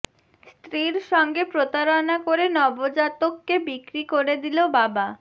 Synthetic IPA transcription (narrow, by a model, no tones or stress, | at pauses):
st̪ɾiɾʃɔŋɡepɾot̪aɾonakoɾenɔbod͡ʑat̪okːebikɾikoɾed̪ilobaba